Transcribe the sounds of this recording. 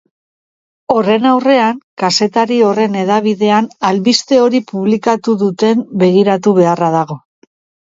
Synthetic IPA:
o̞re̞nawre̞aŋkase̞t̪aɾio̞re̞ne̞ðaβ̞iðe̞analβist̪e̞o̞ɾipuβ̞likat̪uðut̪e̞mbe̞ɣiɾat̪uβ̞e̞araðaɣo̞

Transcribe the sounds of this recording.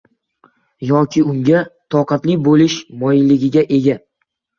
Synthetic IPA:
jɒkʲʰɪʊŋɡʲat̪ʰɒqɑt̪lɪbolɪʃmɒjlɪɡʲɪɡʲaʔe̞ɡʲa

